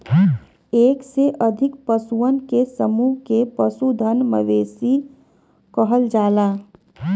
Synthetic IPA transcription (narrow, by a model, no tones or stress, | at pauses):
eːkseʔəd̪ʱɪkpəsuənkesəmuːɦkepəsud̪ʱənmə̰ʋeːsi | kəɦəld͡ʒaːlaː